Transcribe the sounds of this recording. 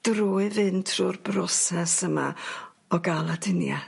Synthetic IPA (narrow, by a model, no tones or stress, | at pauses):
d̥ruːɨðɨntʰruːrbrɔsɛsəma̰ | ɔɡalˠadɪnja̰